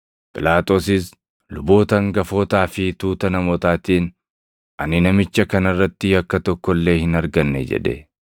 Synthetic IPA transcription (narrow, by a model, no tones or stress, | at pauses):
pʼɪlaːt̪ʼo̞ːsɪs | lʊbo̞ːt̪ɐŋɡɐfo̞ːt̪aːfɪt̪uːt̪ɐnɐmot̪aːt̪iːn | ʔɐnɪnɐmɪt͡ʃːɐkɐnɐrːɐt̪ːɪɐkːɐt̪ɔkːɔlːe̞ːhɪnɐɾɡɐnːɛ̰d͡ʒɛ̰ᶑ̪ɛ̰